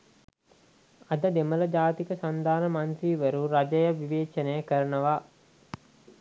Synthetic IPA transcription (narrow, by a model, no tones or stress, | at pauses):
ɐd̪əd̪emələd͡ʒaːt̪ikəsand̪aːnəmant̪ɾiːʋəɾuɾad͡ʒɐjəʋiʋeːt͡ʃənəjəkəɾənəʋaː